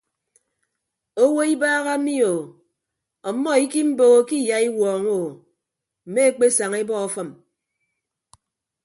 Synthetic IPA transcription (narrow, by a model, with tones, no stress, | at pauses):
o˦wo˦i˦baː˦ɣa˦mi˦o˨ | ɔ˨˦mːɔ˦i˦ki˦m̩˦bo˨ɣo˦ki˦ja˨i˦wɔː˨ŋo˨ | m̩˨me˦e˦k͡pe˦sa˨ŋe˦bɔ˦ɔ˨fɔ˦m